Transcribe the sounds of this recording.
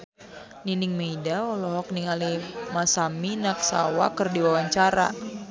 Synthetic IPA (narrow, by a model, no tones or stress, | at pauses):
ninɪŋmeidaɔlɔɦɔk̚niŋalimasaminak̚sa̰wa̰kərdiwawaɲt͡ʃaɾa̰